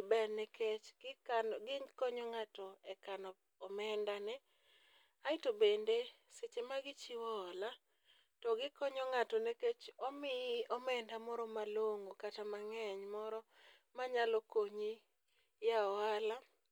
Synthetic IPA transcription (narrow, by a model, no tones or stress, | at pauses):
bɛɾnekʰet͡ʃɡɪanɡɪkɔɲɔŋatɔɛkanɔ | ɔmɛndanɛ | aɪtobende | set͡ʃemaɡɪt͡ʃiwɔːla | tɔɡɪkɔɲɔŋatɔneket͡ʃɔmɪɔmɛndamɔɾɔmaloŋokatamaŋɛɲmɔɾɔ | maɲalɔkoɲi | jaɔala